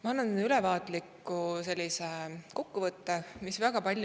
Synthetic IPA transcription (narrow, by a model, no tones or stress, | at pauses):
mɑɑnːɑnylɛvɑːt̪likːuse̞lʲːiseko̞kːuvɤt̪ːemisvæɡ̥ɑpɑlʲ